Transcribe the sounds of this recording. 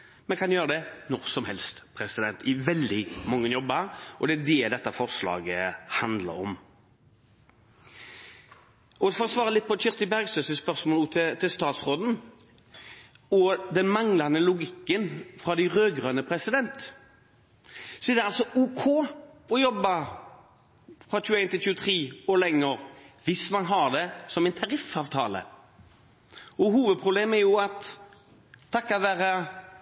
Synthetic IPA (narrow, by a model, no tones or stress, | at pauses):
mɛnkʰɑnjøːɾəd̪ɛnɔɾsɔmhɛlst̪pʰɾɛsɪd̪ɛnt̪ɪʋɛld̪ɪmɔŋːənjɔbəɾʔɔd̪ɛæd̪eːld̪ɛt̪ːəfɔʁslɑ̰ːɡəhɑnd̪lə̰ɾɔ̰m | ɔɛfɔɾɔsʋɑːɾəlɪt̪̚pʰɔçʏɾst̪ɪbæʁɡst̪øːsəspœʁsmɔːlːt̪ʰɪt̪ʰɪlst̪ɑːt̪sʁoːd̪n̩ | ɔd̪ɛnmɑŋlɑnəlʊɡɪkːənfɾɑd̪æɪʁøːɡʁœnəpʰɾɛsɪd̪ɛnt̪ | sɔɛd̪ɛɑlsɔuːkʰoːɔjɔbːɑ | fʁɑːc͡çʉːæɪnt̪ʰɪlçʉːət̪ʰʁiːoːlɛŋːəɾʋɪsmɑnɦɑʁd̪ɛsɔmæɪnt̪ʰɑɾɪfɑːʋt̪ʰɑ̰ːlə̰ | ɔɦuːʋəd̪̚pʰʁʊbleːmɛɾjʊɑt̪ʰː | ɑkːɑt̪ʋæːʁɑ